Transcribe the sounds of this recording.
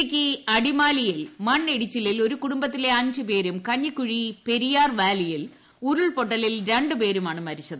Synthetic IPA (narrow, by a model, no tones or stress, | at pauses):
kʲːiɐɽimaːlijilmɐɳːeɽit͡ɕːililo̞ɾukuɽumbɐt̪̬ːile̞ɐɲd͡ʑɨpe̞ːɾumkɐɲːɨkːuɻipe̞ɾijaːrʋaːlijil | uɾuɭpo̞ʈːɐlilɾe̞ɳɖɨpe̞ːɾumaːɳɨmɐɾit͡ɕːɐðɨ